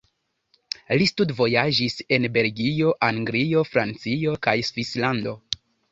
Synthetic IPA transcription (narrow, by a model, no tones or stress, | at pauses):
listudvo̞jad͡ʒise̞nbe̞lɡio̞ʔaŋɡɾio̞fɾant͡sio̞kajsvislando̞